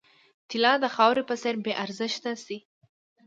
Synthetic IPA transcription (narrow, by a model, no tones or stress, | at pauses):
t̪ɪlɑd̪əxɑwɾepəseɾbeʔaɾzɪʃt̪asi